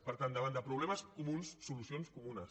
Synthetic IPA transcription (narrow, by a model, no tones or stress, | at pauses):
pəɾt̪and̪əβand̪əpɾuβlɛməskumunsːulusionskumunə